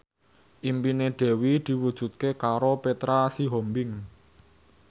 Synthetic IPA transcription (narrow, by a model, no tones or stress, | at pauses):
ʔimpineɖ̪̥ɛ̤wid̪̥i̤wud̥ʒ̥ṳt̪̚kekaɾopet̪ɾasiɦɔmbɪŋ